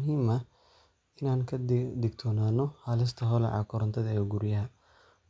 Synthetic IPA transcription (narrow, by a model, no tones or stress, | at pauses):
ɦiːmɐ | ɪnaːŋkʰɐd̪ɪɡt̪ʰɔːnaːnːɔhɐlɪs̬t̪ʰɐɦɔlɛ̰ʕɑ̰kʰɔɾɐnt̪ʰɐðɐɛːɡuɾjɐɦɐ